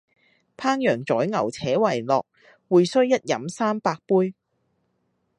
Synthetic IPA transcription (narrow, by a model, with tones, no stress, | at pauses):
pʰaː˥ŋjœː˨˩ŋt͡sɔː˨˥jŋɐ˨˩wt͡sʰɛː˨˥wɐ˨˩jlɔː˨k̚ | wuː˨jsɵ˥ɥjɐ˥t̚jɐ˨˥msaː˥mpaː˧k̚puː˥j